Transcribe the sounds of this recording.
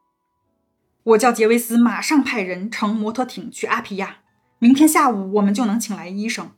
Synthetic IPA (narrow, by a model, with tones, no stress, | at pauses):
wɔ˨˩t͡ɕjɑ˥˩ʊt͡ɕjɛ˧˥we˥ɪsɹ̩˥ma˨˩ʂɑ˥˧ŋpʰa˥˩ɪɻə˧˥nʈ͡ʂʰɤ˧˥ŋmwɔ˧˥t̪ʰɤ˧˥t̪ʰi˨˩˦ŋt͡ɕʰy˥˩ʔa˥pʰi˧˥ja˥˩ | mi˧˥ŋt̪ʰjɛ˥nɕja˥˩u˨˩wɔ˨˩mə˦nt͡ɕjo˥˩ʊnɤ˧˥ŋt͡ɕʰi˨˩ŋla˧˥ɪi˥ʂɤ˨˩˦ŋ